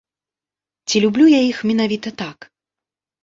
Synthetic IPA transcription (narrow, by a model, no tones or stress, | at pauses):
t͡sʲilʲublʲujaixmʲɛnavʲit̪ɐt̪ak